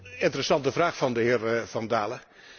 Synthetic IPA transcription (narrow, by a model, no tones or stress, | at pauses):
ɪntərəsɑntəvraːχfɑndəɦɪːɹv̥ɑndaːlə